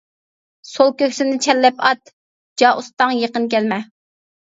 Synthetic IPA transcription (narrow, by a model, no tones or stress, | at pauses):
solˠkʲøkʲsɪnɪt͡ʃʰɛlːɛpɑt̪ | d͡ʒɑʔust̪ɑŋjeqənkʲɛlmɛ